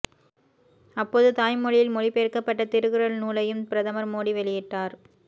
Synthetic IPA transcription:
ɐpːoːðɯt̪aːjmɔɻɪjɪlmɔɻipeːɾkɐpːɐʈːɐt̪ɪɾɯɣɯɾɐɭnuːlɐjɯmpɪɾɐðɐmɐɾmoːɽiʋɛɭɪjɪʈːaːɾ

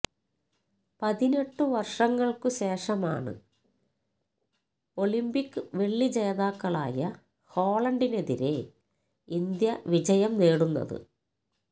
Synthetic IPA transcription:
pɐðine̞ʈːɨʋɐrʂɐŋːɐɭkɨɕe̞ːʂɐma̰ːɳɨ̰ | o̞ɭimbikːɨʋe̞ɭːid͡ʑeːðaːkːɐɭa̰ːjɐ | ho̞ːɭɐɳɖine̞ðiɾe̞ | ind̪jɐʋid͡ʑɐjɐmne̞ːɽunːɐ̰ðɨ̰

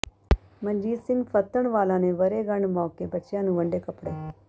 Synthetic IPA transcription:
məɲd͡ʒiːsɪŋɡpʰət̪ːəɳʋaːlãːneːʋəɾeːɡəɳmãːkeːbətːʃjãːnũːʋəɳɖeːkəpɽeː

